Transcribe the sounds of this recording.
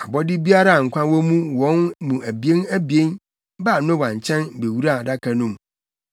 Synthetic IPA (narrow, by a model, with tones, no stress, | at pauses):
a˨bɔ˦dɪ˦bi˦a˦ɾa˦a˨ŋ̩˨kʷʰã˦wɔ˦mũ˦wɔ̃˦nmũ˨æ˨bi˨e˦næ˦bi˨e˦n | ba˦˨nʊ̃˦wã˨ɲ˨t͡ɕʰɛ̃˦nbe˨wu˦ɾa˦˨da˦kʰa˨nũ˦m